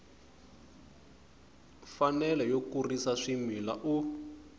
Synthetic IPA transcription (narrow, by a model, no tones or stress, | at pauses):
fanɛlɛjokurisaʂimila̰ʔu